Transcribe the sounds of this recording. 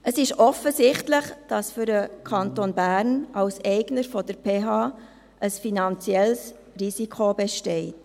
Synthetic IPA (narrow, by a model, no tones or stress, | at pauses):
əsɪʃɔfəsɪχtlɪχd̥ɑsfʏɾəkʰɑntoːnbæːɾnʔɑwsɛɪɡnəɾfɔd̥əɾpʰeːɦɑː | ʔəsfinɑnt͡siɛls | risikʰobeʃtɛɪt